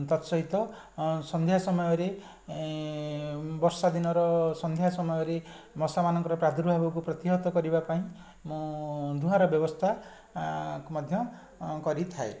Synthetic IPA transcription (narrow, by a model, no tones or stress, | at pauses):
t̪ɔt̪sɔɦit̪ɔ | sɔnd̪ʱjasɔmɔjɔɾe | bɔɾsad̪inɔɾɔsɔnd̪ʱjasɔmɔjɔɾe | mɔsamanɔŋkɔɾɔpɾad̪ʱɾuɦabɔkupɾɔt̪iɦɔt̪ɔkɔɾibapaĩ | mũd̪ʱuɦaɾɔbjɔbɔst̪ʰa | kmɔd̪ʱjɔ | kɔɾit̪ʰae